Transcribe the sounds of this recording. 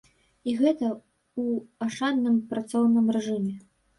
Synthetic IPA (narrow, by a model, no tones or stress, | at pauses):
iɣɛt̪ɐ | uaʂad̪nɨmpɾat̪sɔwnɨmrɛʐɨmʲɛ